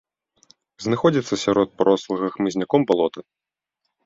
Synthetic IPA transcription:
znaxɔd͡zʲit̪sːɐsʲaɾɔt̪̚pɾɔslˠɨɣɐxmɨzʲnʲakɔmbalˠɔt̪ɐ

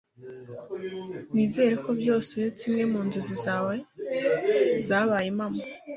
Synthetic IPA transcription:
niːze̞ːɾeko̞bjo̞ːset͡simŋe̞muːnzuzizawa | zaːβajimama

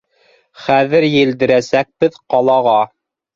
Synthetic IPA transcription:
χæðɘɾjɘ̆ld̪ɘ̆ɾæsæk̚bɘðqɑlˠɑʁɑ

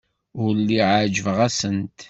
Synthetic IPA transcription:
ʊɾlːiʕaʕd͡ʒəvʁæsənt̪

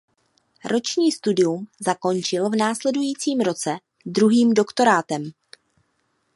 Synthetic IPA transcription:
ɾʔo̞t͡ʃɲiːst̪udɪjumzako̞nt͡ʃɪlvnaːslɛdujiːt͡siːmɾo̞t͡sɛ | d̪ɾuɦiːmdo̞kt̪o̞ɾaːt̪ɛm

